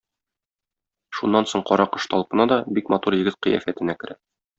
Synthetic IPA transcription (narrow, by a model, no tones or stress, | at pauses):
ʃunːɑnsoɴqɒɾɑqɤ̆ʃt̪ɒlˠpɤ̆nɑd̪ɒbikmɑt̪uɾjɘ̆ɡɘt̪̚qɤ̰jæ̰fæt̪ɘ̆nækɘ̆ɾæ